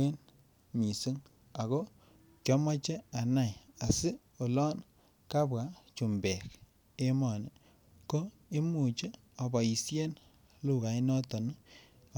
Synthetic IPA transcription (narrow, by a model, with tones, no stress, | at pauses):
e˦n | mi˨su˦ŋ | a˨ɣo˦ | t͡ʃɔ˦mɔ˦t͡ʃe˦a˨na˦˨ja˨si˦ | o˨lɔ˦n | ka˦bɡa˨˦t͡ʃu˨mbɛ˨k | e˦mɔ˨ni˨ | ko˦ | i˦mu˨t͡ʃe˦ | ɔ˨ba˨ji˨sje˦n | lu˦˨ka˨i˦nɔ˦tɔ˨n˦